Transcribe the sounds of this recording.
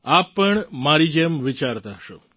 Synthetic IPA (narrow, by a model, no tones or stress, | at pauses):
apːəɳmaɾid͡ʒemʋɪt͡ʃaɾt̪aɦəʃo